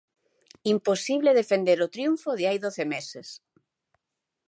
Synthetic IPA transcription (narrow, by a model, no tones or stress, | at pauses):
imposiβleðefend̪eɾot̪ɾjuɱfoðɪajðoθemeses